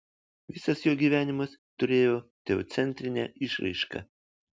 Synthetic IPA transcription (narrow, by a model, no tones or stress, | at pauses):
ʋʲɪsɐsjoːɡʲiːʋʲæːnʲɪmɐst̪ʊɾʲeːjoːt̪ʲɛo̰ːt̪sʲɛnʲt̪ʲɾʲɪnʲɛɪʃɾʲɪ̰ɪʃkɐ̰